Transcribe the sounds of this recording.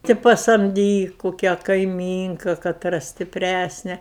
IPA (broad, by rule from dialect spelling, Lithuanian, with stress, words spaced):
tʲɪ pɐsɐmʲˈdʲiːk kʊˈkʲæː kɐɪˈmʲiːŋkɐ kɐˈtrɐ sʲtʲɪpʲˈrʲæsʲnʲɛ